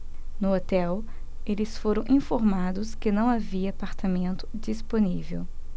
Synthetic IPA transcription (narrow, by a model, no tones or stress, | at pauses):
nʊot̪ɛw | elɪsfoɾɐ̃w̃ʔĩfoɾmad̪ʊskɪnɐ̃w̃aviɐːpaɾt̪amẽnt̪ʊ̥d͡ʒisponivḛw